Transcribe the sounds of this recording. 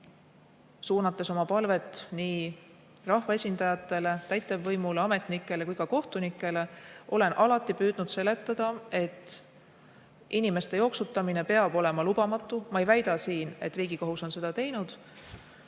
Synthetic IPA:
suːnɑt̪ːˑe̞so̞mɑpɑlve̞t̪ːˑniː | rɑhvɑe̞sʲind̪ɑjɑt̪ːˑe̞le̞t̪æjt̪ːˑevːɤjmuleɑme̞t̪ˑnikːˑe̞le̞kujkɑko̞ht̪unikːˑe̞le̞ʔo̞le̞nʔɑlɑt̪ːˑipyːd̪nud̪̥se̞le̞t̪ːˑɑd̪̥ɑe̞t̪ː | ʔinimest̪e̞jo̞ksut̪ːˑɑmine̞pe̞ɑb̥o̞le̞mɑlubɑmɑt̪ˑːumɑejvæjd̪̥ɑsiːne̞̰t̪ːˑriːɡ̥ikoɦuso̞nse̞d̪̥ɑt̪e̞jnud̪̥

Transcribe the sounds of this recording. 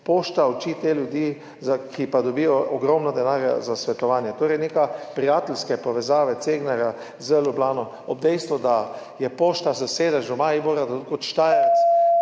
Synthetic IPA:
poːʃt̪aɔt͡ʃit̪eljʊd̪jiː | zakʰipad̪ɔbijɔːɡɾɔmnɔd̪ɛnaːɾja̰zasʋɛt̪ɔʋaːnjɛt̪oːɾɛjnekapɾijaːt̪ɛlskɛpɔʋɛzaːʋɛt̪seːɡnaɾja | zəlublaːnɔ | ɔb̚d̪ɛjst̪ʋud̪a | jɛpoːʃt̪azaseːd̪aʒɔmaiboɾad̪kot̪ʃt̪ajɛɾt̪s

